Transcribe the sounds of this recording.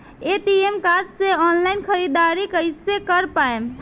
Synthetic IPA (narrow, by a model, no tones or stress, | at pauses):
eʈiemkad͡ʒseɔnlaɪnkʰəɾid̪aɾikəɪsekəɾpaem